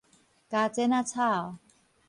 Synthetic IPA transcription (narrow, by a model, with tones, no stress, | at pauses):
ka˧t͡sɛ˦˥na˧t͡sʰa˥˩˨